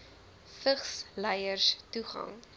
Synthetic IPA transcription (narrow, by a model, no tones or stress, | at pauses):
fəχslɛjərstuχɐ̰ŋ